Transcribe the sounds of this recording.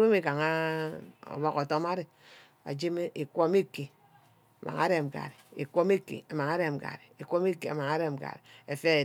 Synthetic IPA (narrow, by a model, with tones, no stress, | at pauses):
we˦me˦ka˨ŋa˦ | o̰˨bɔ˦ko˨to˦ma˦ɾe˨ | a̰˨d͡ʒe˦me˦ʔi˨kʷo˦me˦ke˨ | a˨mʔa̰˨ŋa̰˦ɾe˨m̩˨ɡa̰˨ɾi˨i˨kʷo˦me˦kḛ˨a˨m˨a˨ŋa˦ɾe˦m̩˨ɡa̰˨ɾe˨i˨kʷo˦me˦ke˨a̰˨ma˨ŋa˦ɾe˦m̩˨ɡa̰˨ɾe˨e˨fe˦˨